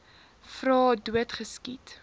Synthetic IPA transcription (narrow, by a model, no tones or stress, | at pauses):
frɑːduətχəskit